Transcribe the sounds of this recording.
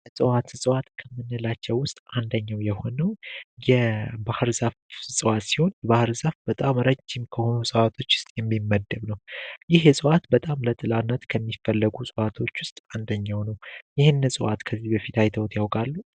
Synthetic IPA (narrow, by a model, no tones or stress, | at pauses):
sʼɨwat̪ɨsʼəwat̪kʰəmːɨnːɨlat͡ʃːɛwːʊst̪ʼand̪əɲːawjɛho̞nəwjɛbahɨɾzafsʼɨwat̪siho̞njɛbahɨɾzafb̥ət̪ʼamɾət͡ʃːimkʰəho̞nusʼəwat̪ʰo̞t͡ʃːʊ̥st̪ʼjɛmːimːəd̪ːəβnəwjɪɦjɛsʼəwat̪bət̪ʼamlət̪ʼɨlanːət̪kʰəmːifəlːəɡusʼəwat̪ʰo̞t͡ʃːwʊst̪ʼand̪əɲːawnəwjɪhɨnːɨsʼɨwat̪kʰəzːibəfit̪ajt̪ʰəwt̪ʰjawkʼalːu